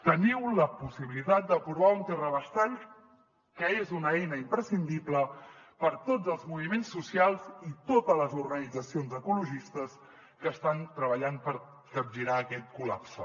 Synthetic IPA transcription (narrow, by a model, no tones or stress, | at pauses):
t̪əniwləpusiβilit̪at̪̚d̪əpɾuβaunt̪ɛrəβəst̪aʎ | kəezunəɛjnəimpɾəsind̪ipləpəɾt̪od͡zəlˠzmuβ̞imensːusialˠzit̪ot̪ələzuɾɣənid͡zəsionzəkuluʒist̪əs | kəst̪ant̪ɾəβəʎanpəɾ | kəb̚ʒiɾaəkɛt̪̚kulapsə